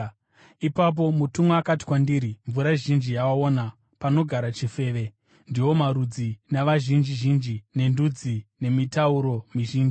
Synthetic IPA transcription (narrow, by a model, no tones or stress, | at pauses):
ipap̬o̞mutumweakati̥kwandiɾiɱvuɾaʒind͡ʒijawaona | pano̞ɡʱaɾat͡ʃife̞ːʋe̞ | ndiwo̞maɾud͡zinaʋaʒind͡ʒiʒind͡ʒine̞ndud͡zine̞mitauɾo̞miʒiːnd͡ʒi